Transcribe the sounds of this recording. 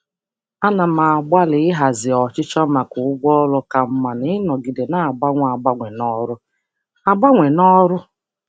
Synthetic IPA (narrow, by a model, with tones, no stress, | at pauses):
a˦na˨ma˨a˨ɡ͡ba˦lɪ˨˦ɪ˦ɦa˨zɪ˨ɔ˨t͡ʃɪ˦t͡ʃɔ˦ma˨kʊ˨ʊ˦ɡ͡bʷɔ˦lɔ˦ka˨m̩˦ma˨nɪ˦ɪ˦nɔ˨ɡi˨de˨na˦a˨ɡ͡ba˦ŋʷ˦a˨ɡ͡ba˦ŋʷe˨nɔ˦ɾʊ˦ | a˨ɡ͡ba˦ŋʷe˨nɔ˦ɾʊ˦